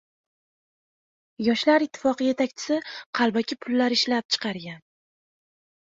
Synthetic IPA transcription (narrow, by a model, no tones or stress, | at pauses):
jɒʃlaɾɪt̪ʰːɪ̥fɒqɨje̞t̪ʰakʲt͡ʃʰɪ̥sɪqʰɑlˠbakʲʰɪpʰʊlːaɾɪʃlap̚t͡ʃʰɨ̥qʰɑɾɡʲan